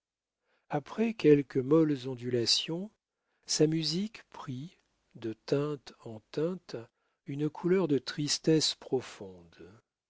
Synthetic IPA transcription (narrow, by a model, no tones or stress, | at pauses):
apχɛkʲɛlkəmɔlzɔ̃d̪ylasjɔ̃ | samyzikpχi | d̪ət̪ɛ̃t̪ɑ̃t̪ɛ̃t̪ | ynəkʰulœʁd̪ət̪χist̪ɛspχɔfɔ̃d̪